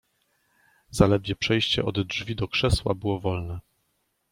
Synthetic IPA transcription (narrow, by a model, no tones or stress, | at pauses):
z̥alɛd̪vʲjɛpʂɛjɕt͡ɕɛ̰ʔɔd̪ʐvʲid̪ɔkʂɛswa̰bɘwɔvɔlnɛ